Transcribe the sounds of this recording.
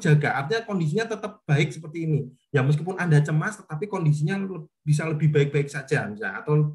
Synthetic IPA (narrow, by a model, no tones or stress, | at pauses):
d͡ʒ̥aɡaʔart̪iɲakɔndis̬iɲat̪ət̪əp̚b̥aɪk̚səpərt̪iːni | jaməs̬kipʊnʔandat͡ʃəmast̪ət̪apikɔndis̬iɲalə | b̥is̬aləbɪhbaɪk̚b̥aɪk̚sḁd͡ʒamisalat̪aw